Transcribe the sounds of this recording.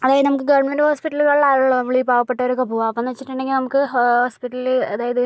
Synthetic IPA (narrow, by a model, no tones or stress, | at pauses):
ɐðaːjɐðɨnɐmukːɨɡɐʋɐɳmendhoːspiʈːɐluɣɐɭlaːjuɭːonɐmːɐɭiːbaːʋɐpːeʈːɐoɾukɐbʱuʋaɐpːonːɐt͡ɕːiʈːuɳɖeŋɡilnɐmukːɨhoːspiʈːɐlileɐðaːjɐðɨ